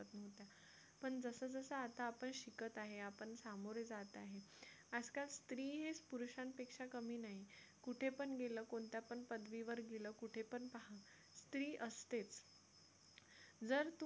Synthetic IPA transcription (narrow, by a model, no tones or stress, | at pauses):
ət̪nəʋt̪ja | pəɳd͡zəsəd͡zəsəat̪aːpəɳɕikət̪aɦeapəɳsamoɾjəd͡zat̪aɦe | əd͡zkalst̪ɾiːɦespuɾɕãnpekʂakəmiːnaɦi | kuʈʰepəɳɡeləkoɳt̪japəɳpəd̪ʋiʋəɾɡeləkuʈʰepəɳpaɦa | st̪ɾiːʔəst̪et͡s | d͡zəɾt̪